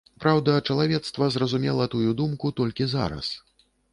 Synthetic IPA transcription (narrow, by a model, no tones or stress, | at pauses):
pɾawd̪ɐt͡ʂɐlˠavʲɛt̪st̪vɐzrɐzumʲɛlˠɐt̪ujud̪umkut̪ɔlʲkʲiza̰ɾɐ̰s